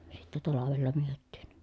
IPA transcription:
sitːɛ tɑlɑʋelːɑ myøtːiːn

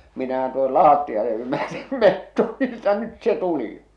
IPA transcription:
minæhæn tuohol lɑːtːijɑle jymæytim metːo ni etːæ nyt se tuli

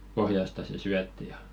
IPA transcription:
pohjɑstɑ se syætːi jɑ

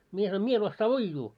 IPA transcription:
mie sɑnoim mie en osːɑː uijːuː

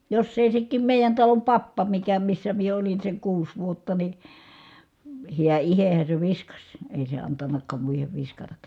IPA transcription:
josː eˑi sekːiːm meˑijæn tɑlom pɑpːɑ mikæ misːæ mie olin seŋ kuːs ʋuotːɑ ni hiæ ihehæ se ʋiskɑsʲ eˑi se ɑntɑnːɑkˑɑːm muiheʋ ʋiskɑtɑkˑɑ

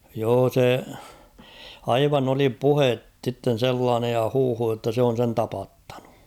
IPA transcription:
joː se ɑiʋɑn oli puhet sitːen̞ selːɑːnej jɑ huːhu jotːɑ se on̞ sen tɑpɑtːɑ̥n̥u̥

